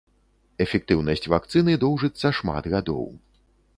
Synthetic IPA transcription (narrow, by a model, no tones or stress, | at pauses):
ɛfʲɛk̚t̪ɨwnɐsʲt͡sʲvak̚t̪sɨnɨd̪ɔwʐɨt̪sːɐʂma̰d̪ɣad̪ɔ̰w